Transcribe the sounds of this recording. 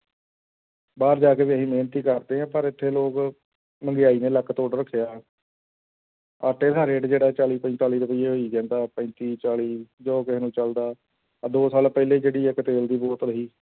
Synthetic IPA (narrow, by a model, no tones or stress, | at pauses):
baːɾd͡ʒaːkeːʋiːəsĩːmeːnt̪iːkəɾt̪eːɦãːpəɾɪt̪ʰːeːloːk | məŋɡejaːiːneːləkːt̪oːɽɾəkʰːɪjaː | əʈːeːd̪aːɾeːʈd͡ʒeːɽaːt͡ʃaːliːpə̃t̪aːliːɾəpəjeːɦoːiːd͡ʒɛ̃ːnd̪aːpə̃nt̪iːt͡ʃaːliːd͡ʒoːkɪɦnũːt͡ʃəld̪aː | d̪oːsaːlpɛːleːd͡ʒeːɽiːɛkət̪eːld̪iːbɔːt̪ɾəɦiː